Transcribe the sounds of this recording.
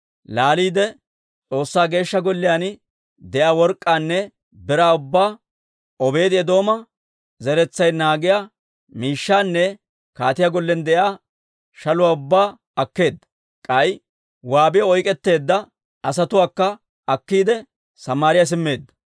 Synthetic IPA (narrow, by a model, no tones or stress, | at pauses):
laːliːd̪ɛ | t͡sʼo̞ːsːaːɡe̞ːʃːɐɡɔlːɪjaːn | d̪ɛʔaːwɔɾkʼːaːnːɛ | bɪɾaːʊbːaː | ɔbe̞ːd̪ɪɛd̪o̞ːmɐ | zɛɾɛt͡sːɐjnaːɡɪjaː | miːʃːaːnːɛ | kaːt̪ɪjaɡɔlːɛnd̪ɛjaː | ʃɐlʊwaːʊbːaː | ɐkːe̞ːd̪ːɐ | kʼɐj | waːbɪjɔɔjkʼɛt̪ːe̞ːd̪ːɐ | ʔɐs̬ɐt̪ʊwaːkːɐ | ɐkːiːd̪ɛ | sɐmaːɾɪjas̬ɪmːe̞ːd̪ːɐ̥